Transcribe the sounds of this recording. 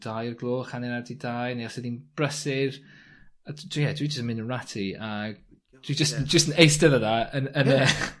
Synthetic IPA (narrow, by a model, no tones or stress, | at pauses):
d̥ajərɡlˠoːχaneɾadidajneɔsɪðinb̥rəsɪr | ad̥ʰwijɛdwid͡ʒəstənmɪ̃nəɹatʰiaɡ | d̥wid͡ʒəstd͡ʒəstənejstəðəðaənənɛχ